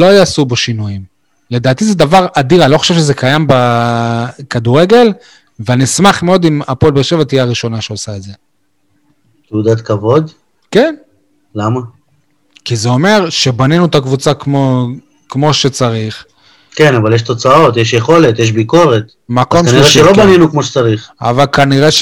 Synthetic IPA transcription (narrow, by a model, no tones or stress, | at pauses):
lo̞jasubeʃinujim | le̞d̪aːt̪ized̪avaʁadiʁanilo̞χḁʃevʃezekajamba | kad̪uʁe̞ɡe̞l | veanismaχmeo̞d̪imapolbeʁʃevat̪ijaːʁiʃo̞naʃeosaedze̞ | t̪eud̪at̪kavo̞d̪ | ke̞n | lama | kizeo̞me̞ʁʃe̞baninut̪akvut͡sakmo | kmo̞ʃe̞t͡saʁiχ | kenavaljeʃt̪o̞t͡sao̞t̪jeʃjeχo̞le̞t̪jeʃ̬biko̞ʁet̪ | makomkanʁeʃelobaninukmoʃe̥t͡saʁiχa̰valkaniʁeʃ